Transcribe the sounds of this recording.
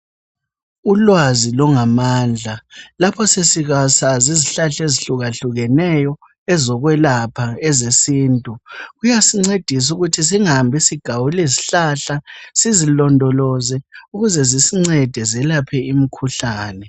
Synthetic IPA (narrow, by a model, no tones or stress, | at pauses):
ulwazilɔŋamaːnd͡ɮʱalapʰɔsesiɣasaziziɬaɬeziɬuɣaɬuɣɛnɛjɔ | ɛzɔɣwɛlapʰaɛzesiːntʼuɣujasiŋ͡ǀed̥ʱis̬uɣutʰis̬iŋambʱisiɡ̥ʱawuleziɬaɬasizilɔndʱɔlɔzɛuɣuzɛzisiŋ͡ǀɛd̥ʱɛzɛlapʰɛimikʰuɬaːnɛ